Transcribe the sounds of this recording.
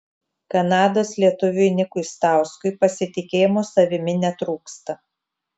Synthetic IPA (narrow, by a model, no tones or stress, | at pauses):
kɐnɑːd̪oːslʲiɛt̪ʊʋʲunʲɪkʊɪst̪ɑˑʊskʊɪpɐsʲɪt̪ʲɪkʲeːjmoːsɐʋʲɪmʲɪnʲɛt̪ɾuːkst̪ɐ